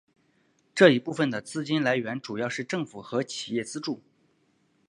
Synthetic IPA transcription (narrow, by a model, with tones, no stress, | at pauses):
ʈ͡ʂɤ˥˩i˧˥pu˥˩fə˨˩nd̪ə˩t͡sɹ̩˥t͡ɕi˥nla˧˥ɪɥɛ˧˥nʈ͡ʂu˨˩jɑ˥˧ʊʂɻ̩˥˧ʈ͡ʂɤ˥˩ŋfu˨˩xɤ˧˥t͡ɕʰi˨˩jɛ˥˩t͡sɹ̩˥ʈ͡ʂu˥˩